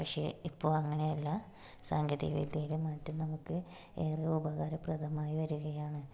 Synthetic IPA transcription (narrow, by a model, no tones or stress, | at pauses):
pɐkʂe̞̰ipːo̞ːɭɐŋːɐɳe̞jɐlːɐ | saːŋɡʱɐðḭɐʋḭd̪ʱjɐjilemaːtːumnɐmukːɨ | eːrɐubɐɣaːɾɐprɐd̪ʰʱɐmaːjiʋɐɾuɣɐjaːɳɨ